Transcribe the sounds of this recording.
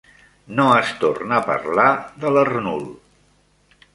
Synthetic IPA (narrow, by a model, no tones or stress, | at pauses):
noəst̪ornəpə̰rlaðələrnulˠ